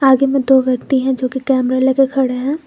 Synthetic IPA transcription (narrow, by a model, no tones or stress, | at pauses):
aːɡemẽd̪oːʋjɐkt̪iɦɛ̃d͡ʒoːkikɛːmɾalekekʰɐɽeɦɛ̃ː